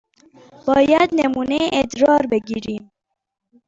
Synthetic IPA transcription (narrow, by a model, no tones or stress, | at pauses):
b̥ɑːjat̪nɛmuːneʔed̪ɾɑːɾbɨɡiɾiːm